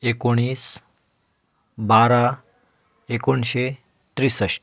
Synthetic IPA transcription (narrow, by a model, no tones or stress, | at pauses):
ekoɽ̃iːs | baɾa | ekoɳɕe | t̪ɾisəɕ